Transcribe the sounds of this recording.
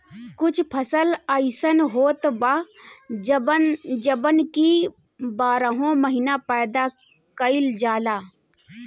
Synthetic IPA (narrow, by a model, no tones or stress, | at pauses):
kʊt͡ʃʰpʰəsələɪsənɦoːt̪ba | d͡ʒəbənki | baːɾəɦõməɦɪnapɛːd̪a | kəɪld͡ʒaːlaː